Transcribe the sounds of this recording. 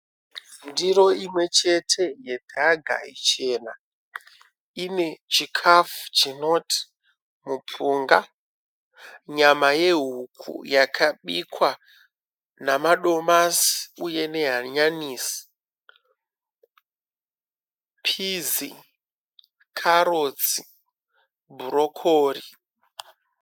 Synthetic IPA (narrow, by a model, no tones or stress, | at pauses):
ndiro̞imwe̞t͡ʃe̞tʰe̞je̞dʱaɡʱa̰ḭt͡ʃeːna | ine̞t͡ʃikʰafu̥t͡ʃino̞tʰi̥ | mupuːŋɡa | ɲamaje̞ɦukʰṵjakʰaɓikwa | namaɗo̞masi̥uje̞ne̞ɦaɲaniːsi̥ | pʰizi | kʰaɾod͡zi | bʱuɾo̞kʰoːri